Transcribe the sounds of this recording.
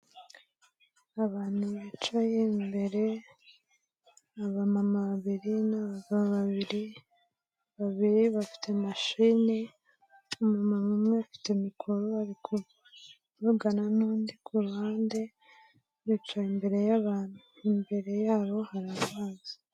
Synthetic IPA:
aβaːn̥huβit͡ʃajembe̞ɾe̞ | aβamamaβaβiɾinaβaɡaβaβiɾi | βaβiɾiβafi̥tʰe̞maʃini | umamamumŋweafi̥temikʰoɾoaɾikʰuβ | βuɡananuːndikʰuɾuhaːnde̞ | jit͡ʃaimbe̞ɾe̞jaβaːn̥hu | imbe̞ɾe̞jaːβo̞haɾaβaːzi

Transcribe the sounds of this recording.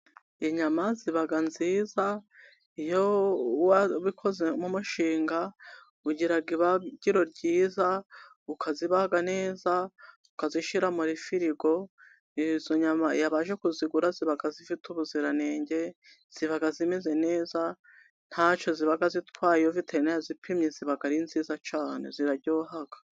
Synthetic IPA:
eɲamaziβaɡanziːza | ijowaβikʰo̞ze̞mumuʃiːŋɡa | uɟiɾaɡiβaɡiɾo̞ɾɟiːza | ukʰaziβaɡane̞ːza | ukaziʃiɾamuɾifiɾiɡo̞ | izo̞ɲamaijaβaːʒekuziɡuɾaziβaɡazifitʰuβuziɾane̞ːɲɟe̞ | z̥iβaɡazimeze̞ne̞ːza | n̥hat͡ʃo̞ziβaɡazitwaːjiovitʰeɾinejazipʰimɲeziβaɡaɾinziːzat͡ʃaːne̞̰ziɾaɟoːɦaɡ̥ḁ

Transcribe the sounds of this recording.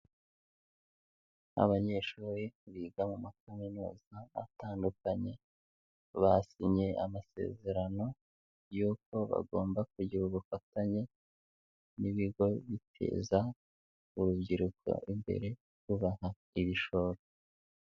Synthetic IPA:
a̰βaɲe̞ːʃuːɾiβiːɡamumakaminṵːzaːtaːndukaɲe̞ | βasiɲɲe̞ʔamase̞̰ːze̞ɾano̞ | juːko̞βa̰ɡo̞ːmbak̚uɟiɾuβufataɲe̞ | niβiɡo̞βitʰe̞̰ːza | uɾubɟiɾukʰo̞̰ʔimbe̞̰ɾe̞ | uβaha | iβiʃo̞ɾo

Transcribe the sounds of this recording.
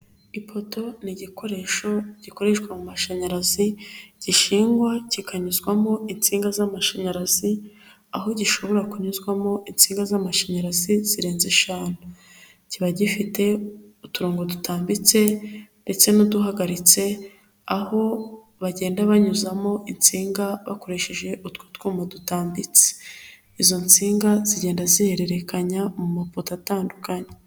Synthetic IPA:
ipʰo̞to̞niɟikʰo̞ɾe̞ʃo̞ɟ̥iko̞ɾe̞ʃwamumaʃaɲaɾaziɟ̥iʃiːŋɡwacikʰaɲuzɡwamo̞int͡siːŋɡazamaʃaɲaɾazi | aɦo̞ɟiʃo̞βo̞ɾakuɲuzɡwamo̞ʔint͡siːŋɡazamaʃaɲaɾaziz̥iɾe̞ːnzeʃaːnu | ciβaɟifite̞ | utuɾoːŋɡo̞dutaːmbit͡se̞nde̞t͡se̞nuduɦaɡaɾit͡se̞ | aho̞ | βaɟe̞ːndaβaɲuzamo̞ʔint͡siːŋɡaβa̰ko̞ɾe̞ʃeʒe̞ʔutwuːtkumadutaːmbit͡se̥ | izo̞nt͡siːŋɡaziɟe̞ːndazihe̞ɾe̞ɾe̞kaɲamumapotataːndukaɲe

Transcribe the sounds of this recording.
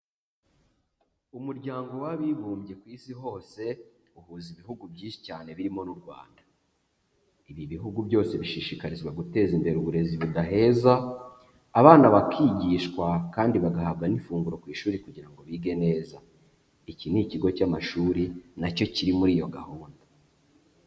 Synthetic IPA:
umuɾɟaːŋɡo̞waβiːβuːmɟe̞kwiːsiɦo̞ːse̞ | uhuːziβiɦuɡubɟiːʃi̥caːne̞βiɾimo̞nuɾɡwa̰ːnda | iβiβiɦuɡubjo̞ːse̞βiʃiʃikaɾizɡwaɡute̞ːzimbe̞ɾeuβuɾe̞ziβudaɦe̞ːzaː | βaːnaβakʰiːɟiːʃkwakaːndiβaɡahabɡanifuːŋɡuɾo̞kwiːʃuːɾikuɟiɾaŋɡo̞βiːɡe̞ne̞ːza | iciniciɡo̞camaʃuːɾinaco̞ciɾimuɾiːjo̞ɡahuːndu

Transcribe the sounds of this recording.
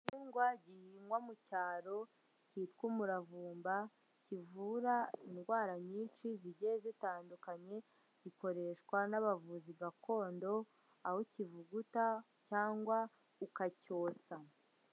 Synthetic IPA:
ɲuːŋɡwaɟihiːmwamucaːɾo̞ | ciːtkumuɾavuːmba | civuɾainɡwaːɾaɲiːnt͡ʃiziɟeezitaːndukaɲe̞ | ɟ̥iko̞ɾe̞ʃkwanaβavuziɡakʰo̞ːndo̞ | ahocivuɡuta | caːŋɡwa | ukaco̞ːt͡sa

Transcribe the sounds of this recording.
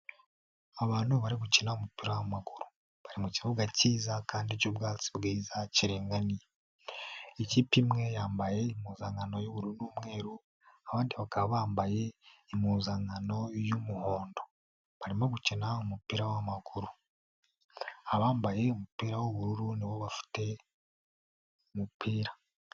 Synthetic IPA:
aβaːn̥huβaɾiɡucinaumupiɾawamaɡuɾu̥ | βaɾimuciβoɡaciːzakʰaːndicobɡaːt͡si̥bɡiːzaciɾeːŋɡanije | iciːpimŋe̞jaːmbaje̞imuːzaŋɡano̞joβuɾuunuːmŋe̞ːɾu | aβaːndiβakaβaβaːmbaje̞imuːzaŋɡano̞jumuho̞ːndo̞ | βaɾimoɡucenaumupiːɾawamakuɾu | aβaːmbaje̞umupiːɾawoβuɾuɾuniβo̞βafi̥te̞ | umupʰiːɾa

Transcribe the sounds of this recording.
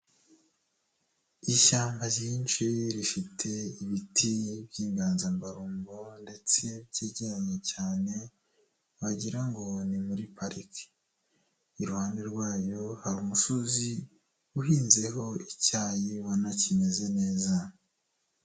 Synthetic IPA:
iʃaːmbaziːnt͡ʃiɾifitʰe̞iβitʰibjiːŋɡaːnzambaɾuːmbonde̞t͡se̞bɟeɟeɾaɲe̞caːne̞ | βaɟiɾaŋɡo̞nimuɾipaɾiki̥ː | ɾuhaːnde̞ɾɡwaːjo̞haɾumuʃuzi | uhiːnze̞ɦo̞icaːjiwanacime̞ze̞ne̞ːza

